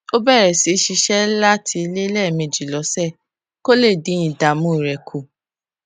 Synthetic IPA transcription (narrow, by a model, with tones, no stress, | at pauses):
o˦bɛ˦˨ɾɛ˨si˨˦ʃi˧ʃɛ˦la˦tʰi˧le˦lɛ˦˨me˨d͡ʒi˨lɔ˨˦sɛ˦˨ | ko˦le˦˨dĩ˨˦ĩ˨da˨mũ˦i˨ɾɛ˨kʰo˨